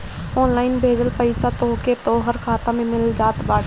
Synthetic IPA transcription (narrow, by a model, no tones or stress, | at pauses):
ɔːnlaːɪnbʱeːd͡ʒəlpəɪsat̪oːket̪oːɦəɾkʰaːt̪ãmẽmɪld͡ʒaːt̪baː